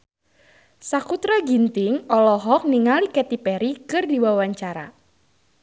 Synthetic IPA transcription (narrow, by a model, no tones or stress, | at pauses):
sakut̪ɾaɡint̪ɪŋɔlɔɦɔk̚niŋalikɛt̪ipɛɾikɨrdiwawaɲt͡ʃaɾa̰